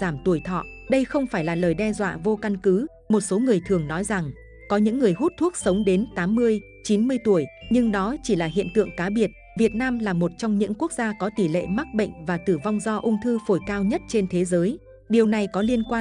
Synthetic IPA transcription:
zaː˧˩mt̪u˧˩əjt̪ʰɔ̰˧˨ɗə˧jxə˧wŋ͡mfaː˧˩jlaː˨˩ləː˨˩jɗɛ˧zwa̰ː˧˨vo˧ka˧nkɨ˨˦ | mo˨˩t̚so˨˦ŋɨ˨˩əjt̪ʰɨ˨˩əŋnɔ˨˦jza˨˩ŋ | kɔ˨˦ɲɨ̰˧˥ŋːɨ˨˩əjɦu˦˥t̚t̪ʰu˦˥ək̚sə˨˦wŋ͡mɗe˨˦nt̪aː˨˦mːɨ˧əj | t͡ɕi˨˦nmɨ˧əjt̪u˧˩əjɲɨ˧ŋɗɔ˨˦t͡ɕi˧˩laː˨˩ɦḭ˧˨ənt̪ɨ̰˧˨əŋkaː˨˦ɓi˨˩ət̚ | vi˨˩ət̚naː˧mlaː˨˩mo˨˩t̚t͡ɕɔ˧wŋ͡mɲɨ̰˧˥ŋku˦˥ək̚zaː˧kɔ˨˦t̪i˧˩lḛ˧˨ma˦˥t̚ɓə̰˧˨jŋ̟vaː˨˩t̪ɨ˧˩va˧wŋ͡mzɔ˧ʔʊ˧ŋ͡mt̪ʰɨ˧fo˧˩jkaː˧wɲə˦˥t̚t͡ɕe˧nt̪ʰe˨˦zəː˨˦j | ɗi˨˩əwna˨˩jkɔ˨˦li˧ənkwaː˧

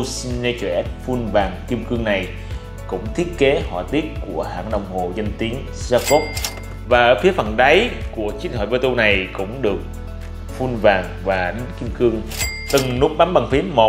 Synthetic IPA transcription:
si˧nne˧t͡ɕwɛ̰˧˩fu˧nvaː˨˩ŋki˧əmkɨ˧əŋna˨˩j | kʊ̰˧˥ŋ͡mt̪ʰi˦˥ət̚ke˨˦hwa̰ː˧˩t̪i˦˥ət̚ku˧˩əha̰ː˧˩ŋɗə̰˧˨wŋ͡mho̰˨˩zə˧jŋt̪i˨˦ən | saː˧ko˦˥p̚ | vaː˨˩ʔəː˧˩fi˨˦əfə˨˩nɗə˨˦jku˧˩ət͡ɕi˨˦ənhə̰ː˧˨˩jvə˧t̪u˧na˨˩jkʊ̰˧˥ŋ͡mɗɨ˨˩ək̚ | fu˧nvaː˨˩ŋvaː˨˩ɗï˨˦ŋki˧mkɨ˧əŋ | t̪ɨ˨˩ŋnu˦˥k͡p̚ɗa˨˦mɓa˨˩ŋfi˨˦əmo˨˩

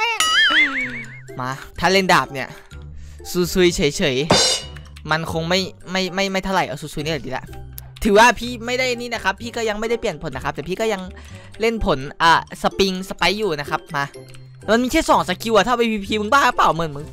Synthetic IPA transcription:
ma˧t̪ʰaː˧˥˩le˧˥˩ndaː˨˩p̚ni˧˥˩ɐ | suː˨˩su˧jt͡ɕʰɤ˨˦jt͡ɕʰɤ˨˩˦j | ma˧nkʰo˧ŋma˥˩jma˥˩jma˥˩jma˥˩jt̪ʰa˧la˨˩˦jʔa˧˩suː˨˧˩su˧jniː˧˩˨diː˧˩lɛ̰˧˦ʔ | t̪ʰɯː˩˦waː˧˩pʰiː˥˩ma˥˩jda˥˩jʔa˧niː˧˥˨na˦˧˥kʰa˦˥pʰːiː˥˩kɔː˥˩ja˧ŋma˥˩jda˥˩jpli˨˩ənpʰo˩˦nːa˦˥kʰp̚t̪ɛː˨˩pʰiː˥˩kɔː˥˩ja˧ŋ | le˥˩npʰo˩˦nʔaː˨˩sa˧pi˧ŋsa˧pa˧˥jːuː˨˩na˦˥kʰa˦˥p̚maː˧˩ | ma˧nmiː˧t͡ɕʰa˥˩sɔː˨˦ŋsa˧ki˧wʔa˧˩a˧˥˩pa˧pʰiː˧pʰiː˧mɯ˧ŋbaː˥˩˨laː˧˦˩plaː˨˩wmɯ˧˩nmɯ˧˥˦ŋ

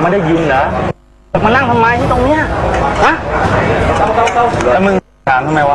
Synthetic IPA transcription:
ma˧˥˩jda˥˩jɯ˧nlaː˨˦˨ | ma˧nːa˥˩ŋt̪ʰa˧maː˧j̪ʰiː˦˥˩t̪o˧ŋni˦˥ɐ˨ha˦˥˧ | ɛ˧˦mɯ˧ŋʰ | aː˩˦mt̪ʰmːa˧jwaː˧

